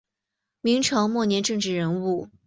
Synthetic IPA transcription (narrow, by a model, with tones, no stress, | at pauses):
mi˧˥ŋʈ͡ʂʰɤ˧˥ŋmwɔ˥˩njɛ˧˥nʈ͡ʂɤ˥˧ŋʈ͡ʂɻ̩˥˩ɻə˧˥nu˥˩